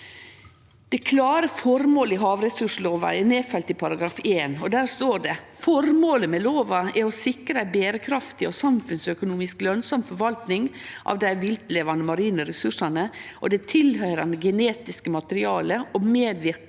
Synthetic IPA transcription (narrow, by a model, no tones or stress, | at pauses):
d̪̥ɛkʰlɑːɾəfɔɾmoːləɪɦɑːʋɾɛsʉʂloːʋɑ̰ɛɾneːfɛlt̪ɪpʰɑɾɑɡɾɑːfeːnɔd̪æːst̪oːɖɛfɔɾmoːləmɛloːʋɑɛɔsɪkɾəbeːɾəkʰɾɑft̪ɪɔsɑmfʉnsœkʊnuːmɪsklœnsɑmfɔɾʋɑlt̪nɪŋʔɑ̰ːʋd̪æɪʋɪlt̪leːʋɑnəmɑɾiːnəɾɛsʉʂɑnəʔɔ̰d̪ɛt̪ʰɪlɦœʏɾɑnɡɛneːt̪ɪskəmɑt̪əɾɪɑːləʔɔmeːd̪ʋɪɾ